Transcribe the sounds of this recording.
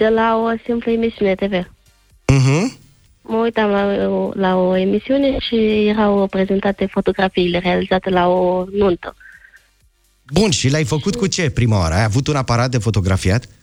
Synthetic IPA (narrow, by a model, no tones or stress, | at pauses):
d̪̥elaosimpləemisiunet̪e̞ve | m̩ɦ̩ | məujt̪amlalaoemisiuneʃijeɾawpɾe̞ze̞nt̪at̪efo̞t̪o̞ɡɾafiːle̞ɾealizat̪elaonunt̪ə̰ | bunʃilajfəkut̪kut͡ʃe̞pɾimaa̰ɾəajavut̪unapaɾat̪̚d̪e̞fo̞t̪o̞ɡɾafiat̪